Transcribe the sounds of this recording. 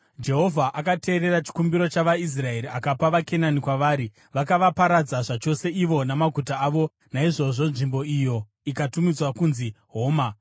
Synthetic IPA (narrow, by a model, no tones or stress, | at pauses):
d͡ʒe̞ɦo̞vʱaʔakate̞ːɾe̞ɾat͡ʃi̥kumbiɾo̞t͡ʃaʋais̬rae̞ɾiakapaʋake̞nanikwaʋaːɾi | ʋakaʋapaɾad͡zaʐat͡ʃo̞se̞iʋo̞namaɡʱutaːʋo̞ | naiʐo̞ʐo̞nʐimbo̞ijo̞ | ikatumid͡zwakunziɦo̞ːma